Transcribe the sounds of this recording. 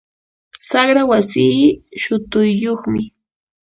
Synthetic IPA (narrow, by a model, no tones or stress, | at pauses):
saχɾawasiːʃʊt̪ʊjːoχmɪ